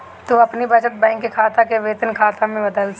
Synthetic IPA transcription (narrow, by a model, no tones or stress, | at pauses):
t̪oɐpnibɐt͡ʃət̪̚bɛ̃ːŋkːekʰaːt̪akeʋeːt̪ənkʰaːt̪amẽbɐd̪əls